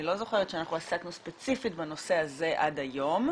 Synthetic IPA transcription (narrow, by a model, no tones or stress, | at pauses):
ilo̞zo̞χeʁetʃeanaχuasaknuspet͡sifitbano̞se̞aze̞ʔadajo̞m